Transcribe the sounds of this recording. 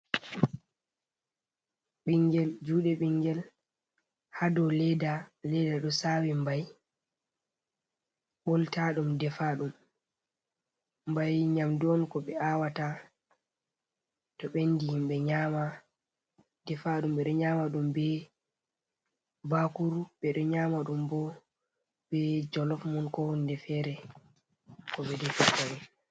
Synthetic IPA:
ɓiŋɡɛld͡ʒuːɗɛɓiŋɡɛl | hadɔlɛdalɛdaɗɔsawimbaj | ɓɔltaɗumdɛfaɗum | mbajɲamdɔnkɔɓɛʔawata | tɔɓendihimɓɛɲama | dɛfaɗumɓɛɗɔɲaːmaɗumbɛ | bakuɾuɓɛɗɔɲamaɗumbɔ | bɛd͡ʒɔlɔfmɔnkɔwɔndɛfɛɾɛ | kɔɓɛdɛfataɾɛ

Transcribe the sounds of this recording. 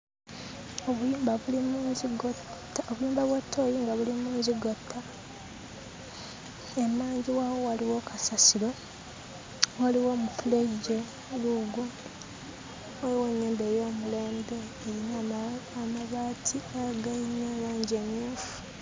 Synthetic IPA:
oβujuːmbaβulimuziɡot | oβujuːmbaβwatʰːoːjiŋɡaβulimuːɲziɡotʰːa | emaːɲɟiwaːwo̞waliwo̞kʰasasilo̞ | waliwo̞mutuleɟːe | luɡwo | eiweɲːeːnde̞ːjo̞ːmule̞ːmbe̞ | eɾinaamaβaːtʰiaɡainaːɾaːɲɟieːmjuːfu̥

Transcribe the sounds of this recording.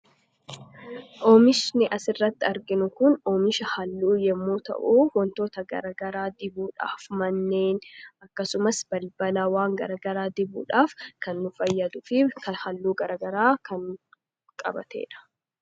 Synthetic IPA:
ʔoːmɪʃnɪʔɐsɪrːɐt̪ːɪɐɾɡɪnʊkʊnoːmɪʃɐhɐlːuːjɛmːuːt̪ɐ̰ʔuːwɔnt̪oːt̪ɐɡɐ̰ɾɐɡɐɾaːd̪ɪbuːᶑa̰ːfmɐnːe̞ːnɐkːɐsʊmɐsb̥ɐlbɐlaːwaːŋɡɐ̰ɾɐɡɐɾaːd̪ɪbṵːᶑaːfkɐnːʊfɐjːɐd̪ʊfɪkɐhɐlːuːɡɐɾɐɡɐɾaːkɐn | kʼɐ̰bɐ̰t̪ḛːᶑɐ̥

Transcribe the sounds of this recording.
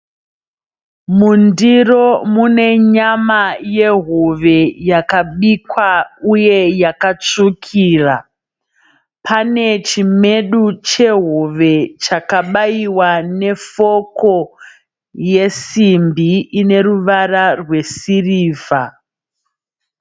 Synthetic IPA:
mundiro̞mune̞ɲamaje̞ɦoʋe̞jakaɓikwauje̞jakat͡ʂukʰiːra | pʰane̞t͡ʃime̞ɗut͡ʃe̞ɦoʋe̞t͡ʃakaɓaiwane̞fo̞ko̞ | je̞simbiine̞ruʋararwe̞siriːva

